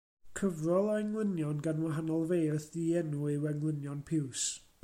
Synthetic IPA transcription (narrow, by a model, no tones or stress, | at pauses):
kʰəvrɔlˠɔɛŋlˠənjɔnɡanwaɦanɔlˠveːrθdiːɛnuiwɛŋlˠənjɔnpʰɪws